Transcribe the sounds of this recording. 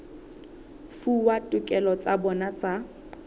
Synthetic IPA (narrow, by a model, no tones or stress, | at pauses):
fuwatʼʊkʼɛlɔt͡sʼabɔnat͡sʼa